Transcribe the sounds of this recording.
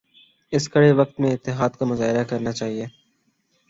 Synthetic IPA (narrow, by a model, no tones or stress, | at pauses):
ɪskɐɽeʋɐk̚t̪mẽɪt̪ːɪɦaːd̪kamʊzaːɦɪɾakɐɾnat͡ʃaːɦieː